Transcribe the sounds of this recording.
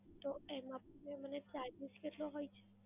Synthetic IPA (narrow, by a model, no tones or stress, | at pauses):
t̪oemãpemənet͡ʃaɾbiskeʈloɦojt͡ʃʰe̥